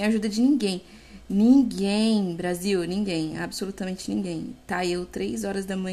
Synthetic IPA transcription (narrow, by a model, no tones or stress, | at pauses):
aʒud̪ɐd͡ʒɪnĩɡẽj̃ | nĩɡẽj̃bɾaziwnĩŋɡẽj̃a̰bɪsolut̪ɐmẽnt͡ʃɪnĩɡẽj̃t̪aewt̪ɾejzɔɾɐzd̪ɐmɐ̃